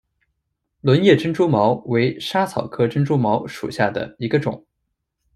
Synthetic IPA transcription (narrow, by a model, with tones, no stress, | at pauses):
lwə˧˥njɛ˥˩ʈ͡ʂə˥ŋʈ͡ʂu˥mɑ˧˥ʊwe˧˥ɪʂa˥t͡sʰɑ˨˩ʊkʰɤ˥ʈ͡ʂə˥nʈ͡ʂu˥mɑ˧˥ʊʂṵ˨˩ɕja˥˩d̪ə̰˩i˧˥ɡə˧ʈ͡ʂʊ̰˨˩˦ŋ